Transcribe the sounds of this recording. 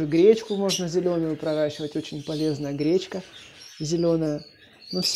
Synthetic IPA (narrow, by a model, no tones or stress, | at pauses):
ɨɡɾʲet͡ɕkʊmo̞ʐnəzʲɪlʲo̞nʊjʊpɾɐɾaɕːɪvətʲo̞t͡ɕɪnʲpɐlʲe̞znəjəɡɾʲet͡ɕkəzʲɪlʲo̞nəjə | nufsʲ